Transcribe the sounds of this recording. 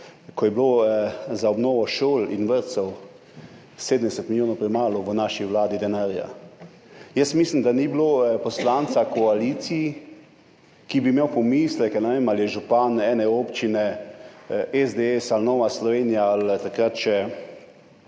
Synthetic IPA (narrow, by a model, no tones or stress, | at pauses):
kɔjɛbloːzaɔbnɔːʋɔʃoːlinʋəɾt̪sɛw | seːd̪əm̩d̪ɛsɛt̪miljoːnɔwpɾɛmaːlɔʋənaːʃiʋlaːd̪id̪ɛnaːɾja̰ | jəsmiːslimd̪anibloːpɔslant̪sakɔaliːt̪siji | kibimewpɔmislɛknɛʋemaljɛʒupanɛːnɛoːpt͡ʃinɛ | ɛzd̪eɛsalnɔːʋaslɔʋeːnijaalt̪akɾat̪t͡ʃɛ